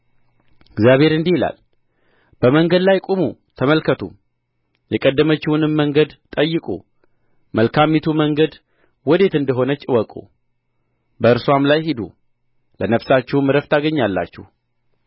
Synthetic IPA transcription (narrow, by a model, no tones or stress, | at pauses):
ɪɡzjaβhe̞ɾɨnd̪ihila̰l | b̥əməŋɡəd̪lajkʼomut̪ʰəməlkʰət̪ʰum | jɛkʼəd̪ːəmət͡ʃːɪwunɨmːəŋɡəd̪t̪ʼəjːɨkʼṵ | məlkʰamːit̪ʰuməŋɡəd̪ | wɔd̪e̞t̪ɨnd̪əɦo̞nət͡ʃʼːɪwɔkʼṵ | bəɨɾswamlajhid̪ṵ | lənəfsat͡ʃːɛwmɨɾəft̪ʰaɡəɲːalːa̰t͡ʃːɪ̰h